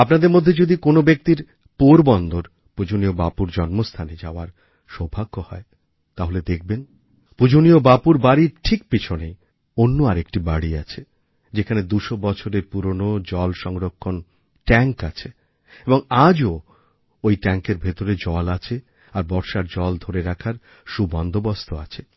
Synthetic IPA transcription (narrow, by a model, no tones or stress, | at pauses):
apnad̪eɾmod̪ʱːed͡ʑod̪ikonobek̚t̪iɾ | poɾbɔnd̪oɾ | pud͡ʑoniobapuɾd͡ʑɔnmost̪ʰaned͡ʑaoaɾ | ʃɔbʱaɡːohɔe | t̪aɦoled̪ek̚ʰben | pud͡ʑoniobapuɾbaɽiɾʈʰik̚pit͡ɕʰonḛ | onːoaɾekʈibaɽia̰t͡ɕʰe | d͡ʑekʰaned̪uʃobɔt͡ɕʰoɾepuɾonod͡ʑɔlʃɔŋɾokʰːon | ʈɛŋkat͡ɕʰe | eboŋad͡ʑo | ojʈɛŋkeɾbʱet̪oɾed͡ʑɔlat͡ɕʰe | aɾbɔɾʃaɾd͡ʑɔld̪ʱoɾeɾakʰaɾ | ʃubɔnd̪ʱobɔst̪ʰoat͡ɕʰe